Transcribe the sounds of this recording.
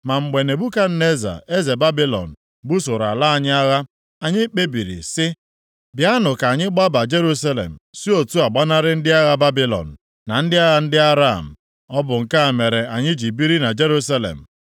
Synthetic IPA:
ma˨ŋ͡m̩˨ɡ͡be˨ne˨bu˦ka˦n̩˦ne˦za̰˨e˦ze˨ba˦bi˦lɔ̰˨n̩˨ | bu˦sʊ˨ɾa˨la˦a˨ɲɪ˦a˦ɣa˦ | a˨ɲɪ˦k͡pe˦bi˨ɾḭ˨sɪ˦ | bja˦nʊ˨ka˨ɲɪ˦ɡ͡ba˦ba˨d͡ʒe˦ɾu˦s̬a˦lḛ˨m̩˨si˦o˨tu˦a˨ɡ͡ba˦na˦ɾɪ˦n̩˦dɪ˦a˦ɣa˦ba˦bi˦lɔ̰˨n̩˨ | na˨n̩˦dɪ˦a˦ɣa˦n̩˦dɪ˦a˦ɾa̰˦˨m̩˨ | ɔ˦bʊ˨ŋ̩˨ka˦a˨me˨ɾe˨a˨ɲɪ˦d͡ʒi˨bi˦ɾi˦na˨d͡ʒe˦ɾu˦sa˦lḛ˨m̩˨

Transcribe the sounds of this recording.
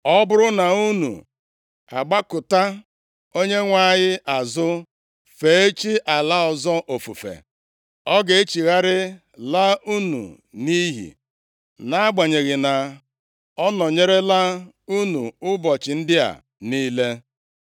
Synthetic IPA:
ɔ˦bʊ˦ɾʊ˦na˨u˦nṵ˨ | a˨ɡ͡ba˦kʊ˨ta˦ | o˦ɲe˦ŋʷa˦˨ɲɪ˦ʔa˨zʊ˦ | fe˨˦e˦t͡ʃi˦ʔa˨la˦ɔ˨zɔ˦ʔo˨fṵ˨fḛ˨ | ɔ˦ɡe˨e˦t͡ʃi˨ɣa˦ɾɪ˦ | la˦u˦nṵ˨ | ni˦ɦḭ˨ | na˦a˦ɡ͡ba˨ɲe˨ɣɪ˨na˨ | ɔ˦nɔ˨ɲe˦ɾe˦la˦ | u˦nṵ˨ʊ˦bɔ˨t͡ʃɪ˨n̩˦dɪ˦a̰˨ | niː˦le˦

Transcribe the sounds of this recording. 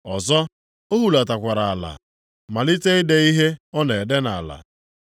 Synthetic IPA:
ɔ˨zɔ˦ | o˦ɦu˨la˨ta˨kʷa˨ɾa˨a˨la̰˨ | ma˨li˦te˦i˦de˨i˦ɦe˦ɔ˦ne˨e˨de˦na̰˨la̰˨

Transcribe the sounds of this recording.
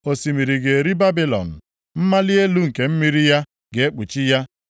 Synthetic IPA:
o˨si˨mi˨ɾi˨ɡe˨e˨ɾi˦ba˦bi˦lɔ̰˨n̩˨ | m̩˦ma˦li˦e˦lu˦ŋ̩˨ke˨m̩˦mi˦ɾi˦ja˦ | ɡe˨e˦k͡pu˨t͡ʃi˦ja˦

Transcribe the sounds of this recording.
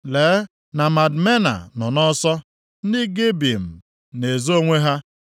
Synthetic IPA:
leː˨˦ | na˨ma˨dme˦na̰˨nɔ˨nɔ˦sɔ˦ | n̩˦di˦ɡe˦bi˨m̩˨ | ne˨zo˦ŋʷe˦ɦa˦

